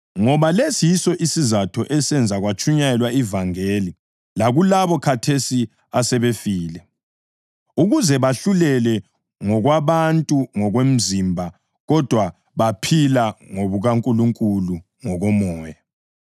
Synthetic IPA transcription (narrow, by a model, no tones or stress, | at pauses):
ŋɔβalesijisɔʔisizatʰɔʔɛsɛnd͡zʱaɣwat͡ʃʰʼuɲaɛlwaivaŋeːli | laɣulaβɔkʰatʰesi | asɛβefiːlɛ | uɣuzɛβaɬulɛlɛ | ŋɔɣwaβantʼuŋɔɣwem̩zimbʱa | ɣɔd̥ʱwa | βapʰilaŋoβuɣaŋkʼuluŋkʼulu | ŋɔɣɔmɔːja